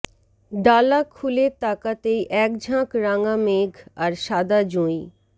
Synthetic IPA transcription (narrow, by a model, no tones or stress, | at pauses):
ɖaːlakʰulet̪aːkat̪eʔɛːk̚d͡ʒʱãkɾãːŋɡãmeːɡɐɾʃaːd̪ad͡ʒũːi